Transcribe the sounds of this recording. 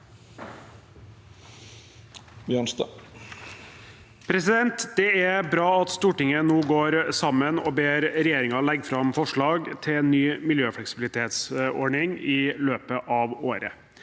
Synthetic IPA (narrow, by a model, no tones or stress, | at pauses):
bjœɳst̪ɑ̰ | pʰɾɛsɪd̪ɛnt̪d̪ɛæbɾɑːɑt̪st̪uːʈɪŋənoːɡoːɾsɑmːənɔːbeːɾɾɛjeːɾɪŋɑlɛɡːfɾɑmfɔʂɭɑːɡt̪ʰɪɛːnːyːmɪljøːfɽɛksɪbɪlɪt̪ʰeːt̪sɔ̰ɖɳɪŋɪløːpəʔɑʋoːɾə̰